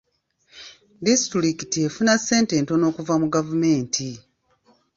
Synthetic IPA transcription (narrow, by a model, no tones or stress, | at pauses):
distɾiki̥tie̞funaseːnteːnto̞no̞ːkuvamuɡavume̞ːntʰi